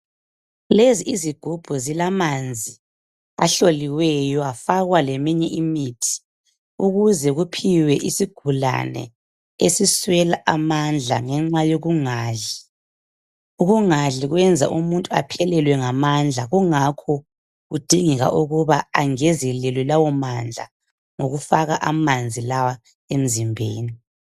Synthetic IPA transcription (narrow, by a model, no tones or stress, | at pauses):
leziiziɡ̥ʱub̥ʱuzilamand͡zʱi | a̰ɬoliwɛjɔafaɣwalɛmiɲɛʔimitʰi̥ | uɣuzɛɣupʰiwɛʔisiɡ̥ʱula̰nɛ̰ | esiswɛlaʔamand͡ɮʱa̰ŋɛŋ͡ǁajoɣuŋaːɮi | uɣuŋaɮiɣwɛnd͡zʱa̰ʔumuntʼua̰pʰɛlɛlwɛŋamand͡ɮʱaɣuŋakʰɔ | ɣud̥ʱiŋiɣa̰ʔuɣuβaaŋɛzɛlɛlwɛlawɔmand͡ɮʱa̰ | ŋo̰ɣufaɣaʔamand͡zʱilawa | em̩zimbʱeːni